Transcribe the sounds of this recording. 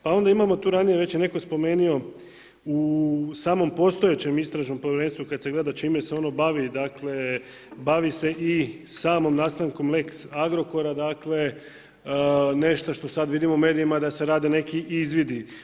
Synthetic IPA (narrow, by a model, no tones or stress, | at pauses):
pao̞nd̪aimamo̞t̪uːɾanijeʋe̞t͡ɕjene̞ko̞spo̞me̞ːnio̞ | usaːmo̞mpo̞st̪o̞jet͡ɕe̞mist̪ɾaʒno̞mpojeɾe̞nst̪ʋukad̪se̞ɡle̞d̪at͡ʃiːmeseo̞no̞baʋid̪akle̞ | baʋise̞ʔisaːmo̞mnaːst̪aŋko̞mleksaɡɾo̞ko̞ɾad̪aːkle̞ | ne̞ʃt̪oʃt̪o̞sad̪ʋid̪imoume̞ːd̪ijimad̪ase̞ɾaːd̪ine̞kiʔizʋid̪i